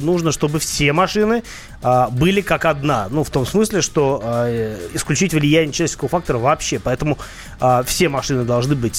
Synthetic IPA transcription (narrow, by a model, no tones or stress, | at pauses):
nuʐnəʂt̪o̞bɨfsʲe̞mɐʂɨnɨ | əbɨlʲɪkakɐd̪nanuft̪o̞msmɨsʲlʲɪʂt̪o̞əɪsklʲʉt͡ɕitʲvlʲɪjænʲɪət͡ɕlʲat͡ɕ̪ːʲkəvəfak̚t̪əɾəvɐpɕːe̞pɐɛt̪əmʊ | əfsʲe̞mɐʂɨnɨd̪ɐlˠʐnɨbɨtʲ